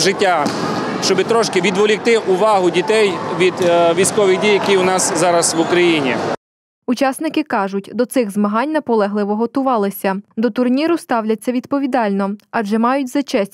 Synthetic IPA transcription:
ʒɪtʲːa | ʃt͡ʃɔbɪt̪ɾɔʃkɪʋʲid̪ʋɔlʲɪk̚t̪ɪʔʊʋɑɦʊdʲit̪ɛjʋʲid̪ʋʲijsʲkɔʋɪɣdʲijɐkʲiʊnɑszɑɾɐsʋʊkɾɐjinʲḭ | ʊt͡ʃɑsnɪkɪkɑʒʊtʲd̪ɔt̪sɪɣzmɐɦɑnʲnɐpɔlˠɛɦlˠɪʋɔɦɔt̪ʊʋɑlˠɪsʲɐd̪ɔt̪ʊrnʲiɾʊst̪ɑwlʲɐt͡sʲːɐʋʲid̪pɔʋʲid̪ɑlʲnɔɑʒɛmɑjʊtʲzɐt͡ʃɛsʲ

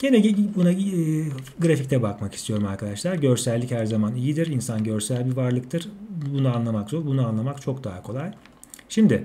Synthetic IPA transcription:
ɟ̥e̞nɛɟbuna | ɡɯɾafic̚t̪ʰɛbakmaki̥st̪ʰijo̞ɾumaɾkʰad̪aʃlˠaɾɟø̞ɾsælʲːichæɾzamanijid̪iɾinsanɟø̞ɾsælʲbivaɾlˠɯk̚t̪ʰɯɾ̥bunuanlˠamakzoɾbunuanlˠamakt͡ʃʰo̞kd̪aɦakʰo̞lˠaj | ʃimd̪ɪ

